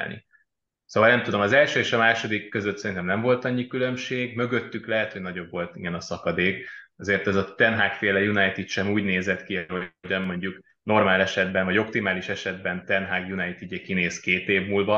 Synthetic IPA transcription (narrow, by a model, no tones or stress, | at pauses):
lnḭ | soːvɒlnɛmt̪ud̪o̞mɒzɛlʃøːeːʃɒmaːʃo̞d̪ikːøzøt̪sɛɾint̪ɛmnɛɱvo̞lt̪ɒɲːikylø̞mʃeːɡmø̞ɡø̞t̪ːyklɛɦɛt̪hoɟnɒɟo̞bvo̞lt̪iɡɛnɒsɒkɒd̪eːkɒzeːrt̪ɛzɒt̪ɛnɦaːkfeːlɛjunɒjt̪it̪ʃɛmuːɟneːzɛt̪kiɦoɟɒnmo̞ɲɟuk | no̞rmaːlɛʃɛd̪bɛɱvɒɟo̞k̚t̪imaːliʃɛʃɛd̪bɛnt̪ɛnɦaːɡjunɒjt̪id̪ɛkineːskeːt̪eːvmulvɒ